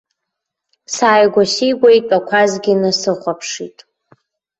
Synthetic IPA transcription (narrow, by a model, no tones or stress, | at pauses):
saːjɡʷaʃijɡʷajtʼakʷʰazɡʲɪnasɨχʷapʰʂitʼ